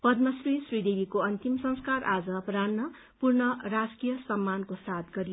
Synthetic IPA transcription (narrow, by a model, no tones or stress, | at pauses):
pʌd̪mʌsrisrid̪ebikoʌnt̪imsʌ̃ŋskaɾʔad͡zʌpranːʌ | purnʌrad͡zkijʌsʌmːankosat̪ɡʌɾi